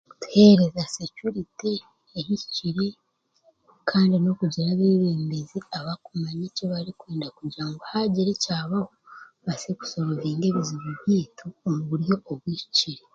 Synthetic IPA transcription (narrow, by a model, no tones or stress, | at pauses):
tu̥he̞ːɾe̞zasecuɾiteː | jiciciɾe | kʰaːndino̞kuɟiɾaβeːβeːmbeziaβakumaɲiceβaɾikweːndakuɟiɾaŋɡohaɟiɾicaːβahoβaseku̥so̞ɾoβiːŋɡe̞βizuβuβjiːtʰuːmuβuɾijo̞ːβwiːci̥ciɾe